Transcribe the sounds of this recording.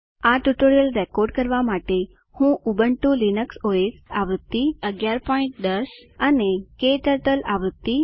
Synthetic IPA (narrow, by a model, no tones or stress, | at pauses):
aʈuʈoɾijəlɾekoɾɖkəɾʋamaʈe | hũʔubəɳʈulinəksoesaʋɾud̪ːiəɡjaɾpɔĩɳʈ̚d̪əɾsanekeʈəɾʈəlaʋɾud̪i